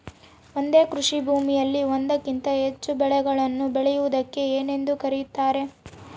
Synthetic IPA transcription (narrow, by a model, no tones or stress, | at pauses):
o̞nd̪e̞ːkɾuʂibʱuːmijɐlːiʋond̪ɐkint̪ɐɦe̞t͡ʃːubɛɭɛɡɐɭɐnːubɛɭɛjuʋud̪ɐkːe̞eːne̞nd̪ukɐɾijut̪ːaːɾe̞